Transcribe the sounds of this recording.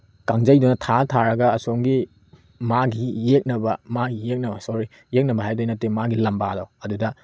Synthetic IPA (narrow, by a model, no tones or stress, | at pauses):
kaŋd͡ʒɐjdunɐtʰatʰaɾɐɡɐːsoŋɡi | maɡijek̚nɐbɐmaɡijek̚nɐbɐsoɾi | jek̚nɐbɐɦajdojnɐtemaɡilɐmbadowɐdudɐ